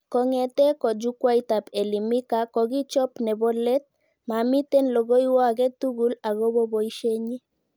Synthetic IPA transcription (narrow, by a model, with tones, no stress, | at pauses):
ko˨ŋe˨t̪e˦ko˨d͡ʒukwa˦jt̪a˨pe˨li˨mi˦kako˨ɡi˦t͡ʃɔ˦pnɛ˨bɔ˦le˦t̪̚ | mami˦t̪e˦nlo˨ɡo˦jwa˦ɡe˦t̪u˦ɡula˨ɡo˦bo˦bo˨iʃe˦ɲi˦